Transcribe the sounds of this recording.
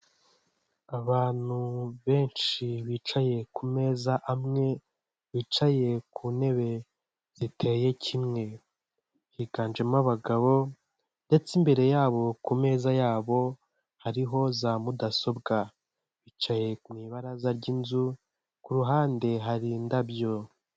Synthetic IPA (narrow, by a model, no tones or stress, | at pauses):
aβaːn̥huβe̞ːnʃiβiːt͡ʃaje̞kume̞ːzaʔamŋe̞ | βit͡ʃaje̞kʰune̞βe̞ | z̥itʰe̞je̞cʰimŋe̞ | hiɡaːnd͡ʒe̞maβaɡaβo̞ | nde̞t͡simbe̞ɾe̞jaːβo̞kume̞ːzajaːβo̞ | haɾiɦo̞zamudaso̞bɡa | βit͡ʃaje̞kumiːβaɾazaɾɟinzu | kuɾuɦaːnde̞ɦaɾindabjo̞